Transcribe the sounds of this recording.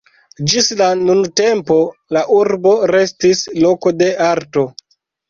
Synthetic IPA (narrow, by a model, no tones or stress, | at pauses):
d͡ʒislanunte̞mpo̞laʔuɾbo̞ɾe̞stislo̞ko̞de̞aɾto̞